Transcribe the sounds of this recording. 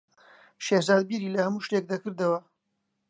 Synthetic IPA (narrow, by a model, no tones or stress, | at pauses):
ʃehzaːd̪̚biɾiːlɐhɐmuːʃt̪ek̚d̪ɐkɨɾd̪ɐwɐ